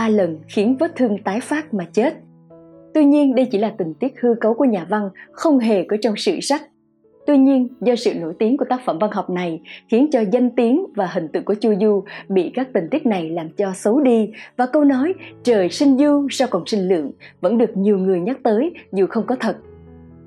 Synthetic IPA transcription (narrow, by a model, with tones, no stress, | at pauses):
ɓaː˧lə˨˩nxi˨˦ənvəː˦˥t̚t̪ʰɨ˧əŋt̪aː˨˦jfaː˦˥t̚maː˨˩t͡ɕe˦˥t̚ | t̪wi˧ɲi˧ənɗə˧jt͡ɕḭ˧˩laː˨˩t̪ï˨˩ŋ̟t̪i˦˥ək̚hɨ˧kə˨˦wku˧˩əɲaː˨˩va˧ŋxə˧wŋ͡mɦe˨˩kəː˨˦jt͡ɕɔ˧wŋ͡msɨ̰˧˨sa˦˥k̚ | t̪wi˧ɲi˧ənzɔ˧sɨ̰˧˨no˧˩jt̪i˨˦əŋku˧˩ət̪aː˦˥k̚fə˧˩mva˧nɦɔ˨˩wk͡p̚na˨˩jxi˨˦ənt͡ɕɔ˧za˧jŋ̟t̪i˨˦əŋvaː˨˩ɦï˨˩ŋ̟t̪ɨ̰˧˨ŋku˧˩ət͡ɕu˧zu˧ɓḭ˧˨kaː˦˥k̚t̪ï˨˩ŋ̟t̪i˦˥k̚na˨˩jlaː˨˩mt͡ɕɔ˧sə˨˦wɗi˧vaː˨˩kə˧wnɔ˨˦jt͡ɕəː˨˩jsï˧ŋ̟zu˧sa˧wkɔ˨˩nsï˧ŋ̟lɨ̰˧˨əŋvə̰˧˥nɗɨ˨˩ək̚ɲi˨˩əwŋɨ˨˩əjɲə˦˥t̚t̪əː˨˦jzu˨˩xə˧wŋ͡mkɔ˨˦t̪ʰə˨˩t̚